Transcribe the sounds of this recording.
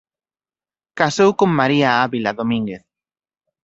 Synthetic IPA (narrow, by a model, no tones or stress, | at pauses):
kasowkoŋmaɾiaaβilaðomĩŋɡeθ